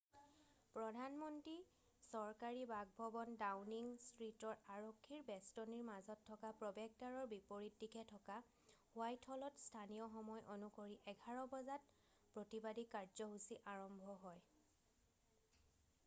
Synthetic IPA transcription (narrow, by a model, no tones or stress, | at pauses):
pɹɔdʱanmɔntɹi | sɔɹkaɹibaɡ̚bʱɔbɔndawniŋstɹitɔɹaɹokʰːiɹbɛstɔniɹmazɔtʰːɔkapɹɔbɛɡ̚taɹɔɹbipoɹitdikʰɛtʰɔka | wajtʰɔlɔtstʰanijɔxɔmɔjʔonukoɹiʔɛɡʱaɹɔbɔzat | pɹotibadikaɹzɔɦusiʔaɹɔmbʱɔɦɔj